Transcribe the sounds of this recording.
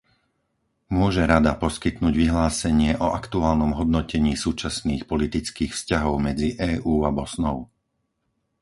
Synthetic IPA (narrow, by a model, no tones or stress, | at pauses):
mʊɔʒɛɾad̪apɔskit̪nuːɟʋiɦlaːsɛɲɪɛʔɔʔakt̪uaːlnɔmɦɔd̪nɔcɛɲiːsuːt͡ʃasniːxpɔlit̪it͡skiːxfscaɦɔʊmɛd͡ziʔɛːʔuːabɔsnɔʊ